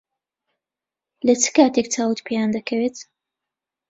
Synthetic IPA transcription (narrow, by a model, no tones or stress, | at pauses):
lɐt͡sɨ̥kaːt̪ek̚t͡saːwut̪pʰijand̪ɐkʰɐweːt̪